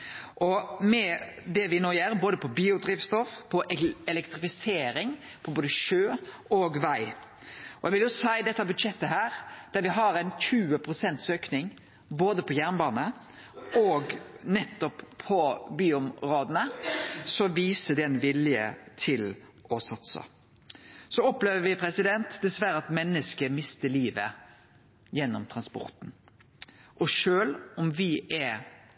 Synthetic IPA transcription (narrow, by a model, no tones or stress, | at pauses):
ʔɔmɛd̪ɛʋɪnoːjæːɾboːd̪əpʰɔbiːʊd̪ɾiːʋst̪ɔfpʰɔʔɛɛlɛkt̪ʁɪfɪseːɾɪŋ | pʰɔboːd̪əʃøː | ɔɡʋæɪ | ɔɛɡʋɪljʊsæɪd̪ɛt̪ːɑbʉd̪ʃɛt̪ːəɦæːɾd̪̥æɾʋɪɦɑɾɛɪnçʉːəpʰɾʊsɛnt̪søːknɪŋ | boːd̪əpʰɔjæʁnbɑːnə | ɔɡnɛt̪ːɔpʰːɔbyːʊmʁoːd̪ənəsɔʋiːsəd̪ɛɛnʋɪljə̰t̪ʰɪlʔɔsɑt̪sə̰ | sɔɔpleːʋəʋɪpʰɾɛsɪd̪ɛnt̪d̪ɛsʋæɾəɑt̪mɛnːəskəmɪst̪əɭiːʋə | jɛnːɔmt̪ʰʁɑnspɔ̰ɾt̪n̩ | ʔɔʂøːlɔmʋɪʔɛ